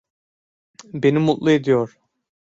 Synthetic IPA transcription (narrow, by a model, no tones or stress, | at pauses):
be̞nimut̪lˠue̞d̪ijoɾ̥